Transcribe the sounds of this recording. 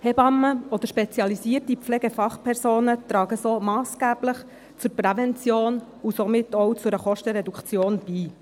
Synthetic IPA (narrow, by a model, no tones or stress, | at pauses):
hɛbɑmːəɔd̪əɾʃpɛt͡sjɑlisiːərtipp͡flɛɡefɑχpʰɛɾsoːnət̪ɾɑːɡəsoːmɑːsɡ̥æːb̥ləχ | t͡sʊɾpɾɛvɛnt͡sjoːn | usomɪtːɔwt͡sʊɾəχɔʃtəɾɛdukt͡sjoːnb̥iː